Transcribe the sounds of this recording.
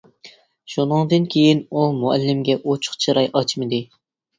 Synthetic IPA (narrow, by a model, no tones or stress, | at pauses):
ʃunɨŋd̪ɨnkʲʰejinumuɛ̰lːɪmɡʲɛʔot͡ʃʰʊ̥χt͡ʃʰɨɾɑjʔɑt͡ʃʰmɨd̪ɪ